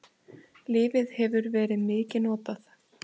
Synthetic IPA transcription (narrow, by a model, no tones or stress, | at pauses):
lɪːvɪðhɛvʏɾvɛːɾɪðmɪːcɪnɔːt̪aθ